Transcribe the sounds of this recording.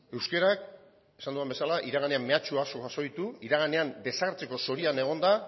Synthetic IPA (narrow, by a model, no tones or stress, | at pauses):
e̞wske̞ɾak | esand̪uembe̞salaʔiɾaɣane̞amːe̞at͡ʃuasko̞ʝaso̞jt̪uiɾaɣ̞ane̞and̪e̞saɣeɾt͡seko̞so̞ɾiane̞ɣ̞o̞nd̪a